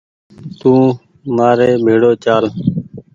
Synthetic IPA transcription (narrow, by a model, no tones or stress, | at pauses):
t̪ũː | maːɾeːbʱeːɽoːt͡ʃaːl